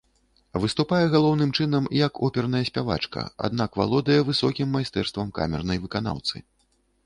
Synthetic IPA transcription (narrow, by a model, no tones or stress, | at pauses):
vɨst̪upajɛɣalˠɔwnɨmt͡ʂɨn̪ɐmjɐkɔpʲɛrn̪ɐjɐsʲpʲava̰t͡ʂkɐ̰a̰d̪̚nakva̰lˠɔd̪ɐjɛvɨsɔkʲimːajst̪ɛrst̪vɐmka̰mʲɛrnɐjvɨkana̰wt̪sɨ̰